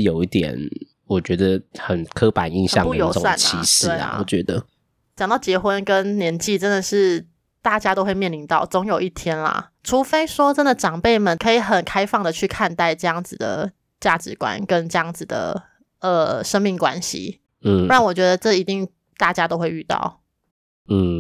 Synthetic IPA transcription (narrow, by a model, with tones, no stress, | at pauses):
jo˨˩ʊi˥˩t̪jɛ̰˨˩n | wɔ˨˩t͡ɕɥɛ˧˥d̪ə˧xə˨˩nkʰɤ˦pa̰˨˩nḭ˥˧nɕjɑ̰˥˨ŋu˥˧˨jo˨˥ʊ˥˨sa˥˨nt͡ɕʰi˧˥ʂɻ̩˥e˩˧a̰˨˩wɔ̰˨˩t͡ɕɥɛ˧˥d̪ə˧ | t͡ɕjɑ˨ŋt̪ɑ˥˩ʊt͡ɕjɛ˧˥xwə˦nkə˦˥nnjɛ˧˥nt͡ɕi˥˨˩ʈ͡ʂə˦˥nd̪ə˨ʂɻ̩˥˩ | t̪a˥˩t͡ɕja˥t̪o˥ʊxwe˥˧ɪmjɛ˥˩nli˧˥nt̪ɑ˥˩ʊt͡sɔ˧˥ŋjo˨˩ʊi˥˩t̪ʰjɛ˦˥nlɐ̰˨ʈ͡ʂʰu˧˥˦fe˥ɪʂwɔ˥ʈ͡ʂə˦˥nd̪ə˨ʈ͡ʂɑ˨˩ŋpe˥˩ɪmə˨nkʰə˧˥i˨˩xə˨˩nkʰa˥ɪfɑ˥˩ŋd̪ə˩t͡ɕʰy˥˧kʰa˥˧nt̪a˥˧ɪʈ͡ʂɤ˥˧jɑ˥˩ŋd͡zɹ̩˨˩d̪ə̰˩ | t͡ɕja˥˩ʈ͡ʂɻ̩˧˥kwa̰˨˩nkə˦˥nʈ͡ʂɤ˥˧jɑ˥˩ŋd͡zɹ̩˨˩d̪ə̰˩ | ə˨˩ʂə˥ŋmi˥˩ŋkwa˦nɕḭ˨ | n̩˥˩ɻa˥˩ŋwɔ˨˩t͡ɕɥɛ˧˥d̪ə˧ʈ͡ʂɤ˥˩i˧˥t̪i˥˩˧ŋ | t̪a˥˩t͡ɕja˥t̪o˥ʊxwe˥˧ɪy˥˧t̪ɑ̰˥˩ʊ | n̩˥˩